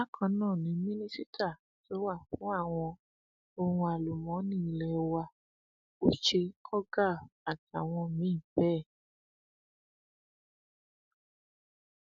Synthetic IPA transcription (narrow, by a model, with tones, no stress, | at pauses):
a˦kʰã˧˦nãː˦˨nĩ˨˦mĩ˦nĩ˦si˦tʰa˦˨ | to˨˦wa˦˨fũ˨˦a˦˨w̃ɔ̃˧ | o˧hũ˧a˧lu˨mɔ̃˨˦nĩ˦i˨lɛ˨˧wa˧ | o˦ʃe˧kʰɔ˦ɡa˦˨a˨ti˨a˨w̃ɔ̃˧mĩ˨˦˨bɛː˦˨